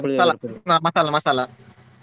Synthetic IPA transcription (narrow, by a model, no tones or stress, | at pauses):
malanaməsalaməsala